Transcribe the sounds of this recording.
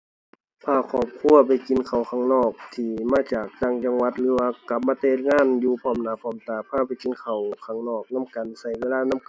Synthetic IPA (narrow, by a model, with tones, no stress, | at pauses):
pʰaː˧˨kʰɔː˧˩p̚kʰu˧˥˨ɐpa˨jki˨˦nkʰa˨˩wkʰaː˧˩ŋnɔː˧˩k̚t̪ʰiː˧maː˧˥˨t͡ɕaː˨˩k̚t̪aː˧˩ŋt͡ɕa˧ŋwa˧˥t̪̚lɯː˧˦waː˧ka˧˦p̚maː˧t̪eː˧˨t̪̚ŋaː˧˥˨njuː˧pʰɔː˧˩mnaː˧˩pʰɔː˧˩˨mt̪aː˨˩pʰaː˧˨pa˨jki˨˦nkʰa˨˩wkʰːaː˧˩ŋnɔː˧˩k̚na˧˥˨mka˨nsa˧˩jweː˧˥˨laː˧˨na˧˥˨